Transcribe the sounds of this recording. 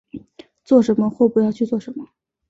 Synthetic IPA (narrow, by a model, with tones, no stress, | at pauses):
t͡swɔ˥˩ʂə˧˥nmə˧xwɔ˥˩pu˧˥jɑ˥˧ʊt͡ɕʰy˥˧t͡swɔ˥˩ʂə˧˥nmə˧